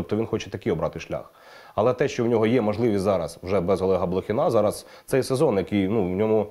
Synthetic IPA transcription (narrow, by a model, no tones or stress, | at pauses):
ɔp̚t̪ɔʋʲinxɔt͡ʃɛ̥t̪ɐkɪɔbɾɑt̪ɪʃlʲa̰x | ɐlˠɛt̪ɛʃt͡ʃɔwnʲɔɦɔjɛmɔʒlˠɪʋʲizɑɾɐswʒɛbɛzɦɔlˠɔɦɐblˠɔxʲɪnɑzɑɾɐs | t̪sɛjsezɔnjɐkɪjnuwnʲɔmʊ